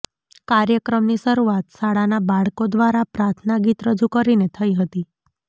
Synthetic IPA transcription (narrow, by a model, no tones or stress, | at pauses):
kaɾjəkɾəmniʃəɾuat̪saɽanabaɭkod̪ʋaɾapɾaɾt̪ʰnaɡit̪ɾəd͡ʒukəɾinet̪ʰəiɦət̪i